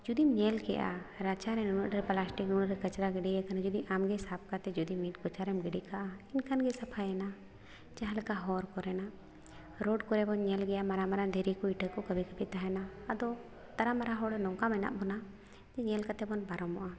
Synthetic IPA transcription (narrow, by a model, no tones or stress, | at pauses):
d͡ʒud̪imɲɛlkɛ̰ʔa̰ɾat͡ʃaɾɛnunuʔɾɛplasʈiknunɾɛkət͡ʃɾaɡɛɖijakanad͡ʒud̪iʔamɡɛsap̚ʰkat̪ɛd͡ʒud̪imitkɔt͡ʃaɾɛmɡɛɖikaʔainkʰanɡɛsapʰajɛna | t͡ʃaɦalkaɦɔɾkɔɾɛna | ɾɔɖkɔɾɛbɔnɲɛlɡɛjamaɾamaɾand̪ʱɛɾikɔiʈəkːɔkəbʱikəbit̪aɦɛnaːd̪ɔ | t̪aɾamaɾaɦɔɽnɔŋkamɛna̰ʔbɔna | d͡ʒɛɲɛlkat̪ɛbɔnbaɾɔmɔʔa